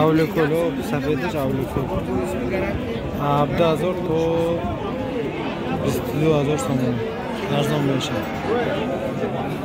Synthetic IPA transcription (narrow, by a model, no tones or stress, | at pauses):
awlokʰolɔbsafed̪əʃawlokʰol | haːbd̪ahazɔɾt̪ʰɔ | bist̪ʰd̪uhazɔɾsɔmɔni | aɾzɔmmeʃad